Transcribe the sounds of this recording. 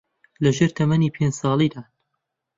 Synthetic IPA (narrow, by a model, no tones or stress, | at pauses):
lɐʒeɾt̪ʰɐmɐniːpʰensɑːlˠiːd̪aː